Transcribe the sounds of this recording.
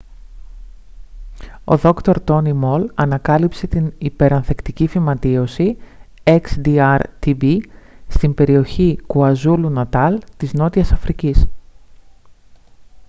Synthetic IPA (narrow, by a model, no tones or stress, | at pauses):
o̞̰ðo̞kt̪o̞ɾt̪o̞nimo̞lɐnɐkɐlipse̞t̪inipe̞ɾɐnθe̞kt̪icifimɐt̪io̞si | e̞ksd̪iɐɾt̪ibist̪imbe̞ɾio̞çikuɐzulunɐt̪ɐlt̪izno̞t̪iɐsɐfɾicis